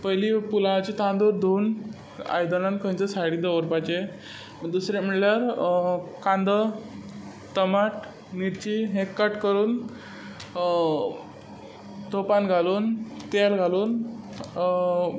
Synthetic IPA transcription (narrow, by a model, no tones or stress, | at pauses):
pəjlipulat͡ɕit̪ãnd̪uɾd̪ʱoːn | a̰jd̪ənãnkə̃ɲt͡səsajɽiːd̪əʋəɾpat͡ɕe | d̪usɾem̤əɽljaɾ | kãnd̪ə | t̪əmaʈ | niɾt͡ɕiɦekːəʈkəɾuːn | t̪opanɡʱaluːnt̪elɡʱaluːn